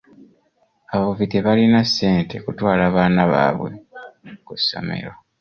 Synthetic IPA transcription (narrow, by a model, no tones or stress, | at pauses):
aβaβuviteβalinasːe̞ːnte̞kutwaːlaːβaːnaβa̰ːβwe̞̰kusːo̰me̞̰ɾo̞